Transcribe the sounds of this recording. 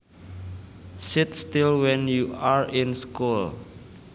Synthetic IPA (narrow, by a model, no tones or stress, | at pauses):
sit̪st̪ilwɛ̃njuaɹĩnskul